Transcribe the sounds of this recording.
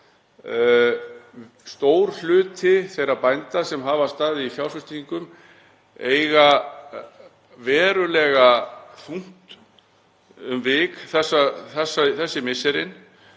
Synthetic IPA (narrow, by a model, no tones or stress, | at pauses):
st̪oːwɾ̥l̥ʏːt̪ʰɪθejɾapajnt̪asɛmɦaːvast̪aːðɪifjawfʏst̪iiŋkʏm | eːjɣa | vɛːɾʏlɛːɣaθuŋ̥t̪ | ʏmvɪːkθɛsːaθɛsːaθɛsːɪmɪsːɛɾɪn